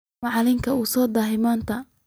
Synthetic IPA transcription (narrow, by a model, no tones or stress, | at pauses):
ɑʕlɪŋkʰɐusɔːd̪ɐːɦɪmaːnt̪ʰɐ